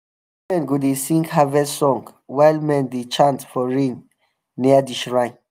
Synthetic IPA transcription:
mɛ̃nɡudesĩŋɡhavɛsɔ̃ŋɡ | wajlmɛ̃ndet͡ʃãntfɔɹĩŋ | niadiʃɹãj̃n

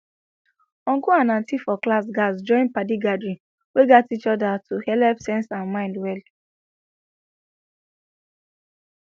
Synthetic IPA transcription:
ɔ̃ŋɡoãnãntifɔklasɡasd͡ʒɔ̃ɪ̃npadiɡadɹĩ | weɡatit͡ʃɔdatʰuhɛlɛpsɛ̃nsãnmãɪ̃ndwɛl

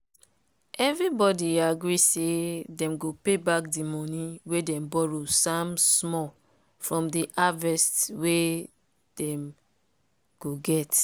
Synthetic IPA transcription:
ɛvɹibɔdiaɡɾisedɛ̃mɡopebakdimɔ̃nĩwedɛ̃mbɔɹosamsmɔ | fɹɔ̃mdiʔavɛstwe | d̥ɛ̃m | ɡ̥oɡɛt

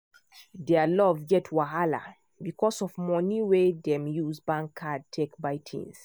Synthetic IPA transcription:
dɛəlɔvɡɛtʰwaɦala̰ | bikʰɔsɔvmɔniwedɛ̃mjuzbãŋkʰːad̚tʰekbajtʰḭ̃ns

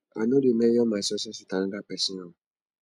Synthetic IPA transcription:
a̰nõdimɛ̃jɔmãsɔsɔsutãñɡapɛsĩnã

